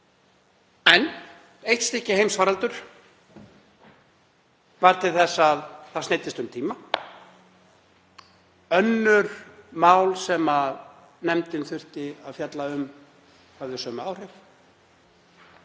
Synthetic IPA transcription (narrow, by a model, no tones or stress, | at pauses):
ɛn | ejht̪st̪ɪhcɪhejmsvaːɾalt̪ʏɾ̥ | vaɾt̪ʰɪlθɛsːaðθasnejt̪ɪst̪ʏmt̪ʰiːma | œnːʏɾ̥maːwlsɛmað | nɛmt̪ɪnθʏr̥t̪ɪaðfjat̪laʏm | hœvðʏsœːmaːwr̥ɪf